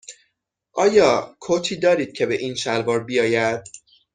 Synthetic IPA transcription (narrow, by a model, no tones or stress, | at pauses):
ʔɒːjɒːkʰot̪ʰiːd̪ɒːɾiːd̪̥̚cʰe̞be̞ʔiːnʃælvɒːɾbijɒːjæd̪̥̚